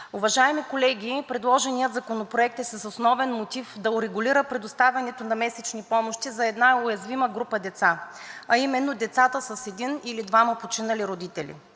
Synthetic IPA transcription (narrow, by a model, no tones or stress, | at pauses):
ʊvɐʒaɛmikolɛɡʲipɾɛd̪lˠɔʒɛnijət̪zɐkonopɾoɛk̚t̪ɛsɐsosnɔvɛnmot̪ifd̪ɐʊɾɛɡʊliɾəpɾɛd̪ost̪avʲɐnɛt̪onɐmɛsɛt͡ʃnipɔmoʃt̪izɐɛd̪naʊjɐzviməɡɾupəd̪ɛt̪saɐimɛnːod̪ɛt̪sat̪əsəsɛd̪inilid̪vaməpot͡ʃinɐliɾod̪it̪ɛlḭ